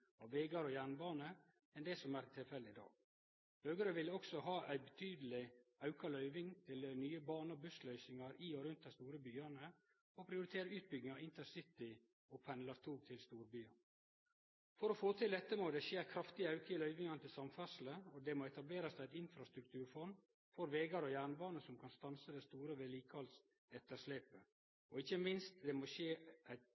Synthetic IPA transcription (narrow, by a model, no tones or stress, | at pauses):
ɑʋʋeːɡɑɾɔjæːɳbɑːnə | ɛnd̪ɛsɔmæːɾt̪ʰːɪlfɛlːəɪd̪ɑ̰ːɡ | høːɡəɾəʋɪlːəɔksɔɦɑːʔæɪbɛt̪ʰyːd̪əlɪɑʉkɑlœʏʋɪŋt̪ʰɪlnyːəbɑːnəɔbʉslœʏsɪŋɑɾiːɔɾʉnt̪̚d̪æɪst̪uːɾəbyːɑnə | ɔpʰɾɪʊɾɪt̪ʰeːɾəʉːt̪̚bʏɡnɪŋɑɪnt̪ʰəsɪt̪ɪ | ɔpʰɛnlɑɾt̪ʰuːɡt̪ʰɪlst̪uːɾbyːɑ | fɔɾɔfoːt̪ʰɪld̪ɛt̪ːəmod̪ɛʃeːɾkʰɾɑft̪ɪɑʉkəɪlœʏʋɪŋɑnət̪ɪlsɑmfæʂl̩əɔd̪ɛmoːɛt̪ɑbleːɾɑsææɪt̪ɪnfɾɑst̪ɾʉkt̪ʰʉːɾfɔn | fɔɾʋeːɡɑɾɔjæːɳbɑːnəsɔmkʰɑnst̪ɑnsəd̪ɛst̪uːɾəʋɛliːkʰɑls | ɛt̪ːəʂleːpə | ɔɪçəmɪnst̪d̪ɛmoʃeːʔæɪt̪